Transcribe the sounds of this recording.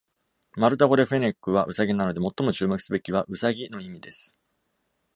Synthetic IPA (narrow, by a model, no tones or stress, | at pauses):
maɾɯ̟t̪̬aɡo̞ɾe̞ɸe̞ne̞kːɯ̟βaʔɯ̟saɡʲinano̞d̪e̞mo̞t̪ːo̞mo̞t͡ɕɨːmakɯ̟̥sɨbe̞kʲiβ̞aʔɯ̟saɡʲino̞imʲid̪e̞sɨ̥